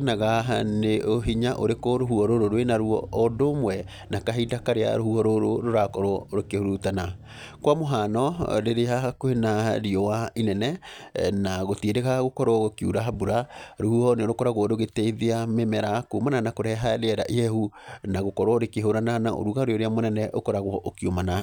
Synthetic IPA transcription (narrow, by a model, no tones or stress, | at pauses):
naɣaneoɦiɲaʔoɾekoɾoɦuɔɾoɾoɾwenaɾuɔ̰ːdomwɛ | nakaɦidakaɾea̰ɾohuɔɾoɾoɾoɾakɔɾwɔɾokehoɾutana | kwamoɦaːnɔɾeɾeɦaakoenaɾiɔwainɛnɛnaɣotiedeɣaɣokɔɾwɔokiuɾaɦabuɾaɾuhuɔneoɾokɔɾaɣɔɾoɣetɛiðeamemɛɾakomananakoɾɛɦaɾeɛɾa̰ʔiɛhunaɣokɔɾwɔoɾekeɦoɾananaʔo̰ɾuɣaɾeoɾeamonɛnɛʔokɔɾaɣwɔʔokiomana